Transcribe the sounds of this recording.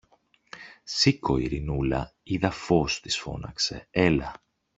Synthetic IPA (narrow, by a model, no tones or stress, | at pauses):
siko̞ḭɾinulɐ̰iðɐfo̞st̪i̥sfo̞̰nɐ̰kse̞̰e̞lɐ